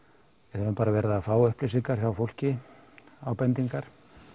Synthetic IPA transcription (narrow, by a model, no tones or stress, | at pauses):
ɛθaɛnpaːɾavɛːɾðafaːwʏhplejsiŋkaɾ̥çawfowl̥cɪ | aːwpɛnt̪iŋkaɾ̥